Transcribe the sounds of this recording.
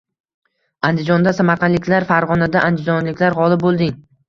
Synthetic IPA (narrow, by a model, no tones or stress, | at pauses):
and̪ɪd͡ʒɒnd̪asamaɾqʰɑnlɪkʲlaɾfaɾʁɒnad̪aʔand̪ɪd͡ʒɒnlɪkʲlaɾʁɒlˠɪp̚bolˠd̪ɪŋ